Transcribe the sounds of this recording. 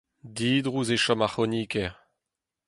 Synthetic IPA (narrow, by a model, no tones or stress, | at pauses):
diːd̪ʁuzeʃɔmaχoniːkɛʁ